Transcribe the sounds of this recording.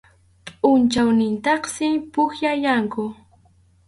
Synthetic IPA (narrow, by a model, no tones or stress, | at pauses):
pʼʊnt͡ʃawnɪnt̪ɑχsɪpʊxjajaŋkʊ